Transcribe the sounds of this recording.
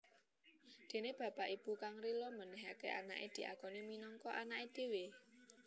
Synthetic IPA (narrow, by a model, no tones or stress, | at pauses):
d̪̥e̤neb̥ä̤b̥aʔib̥ukaŋrilɔmənɛɦakeʔa̰na̰ʔed̪̥i̤ʔa̰ɡ̥ɔ̤niminɔŋkɔʔanaʔed̪̥e̤we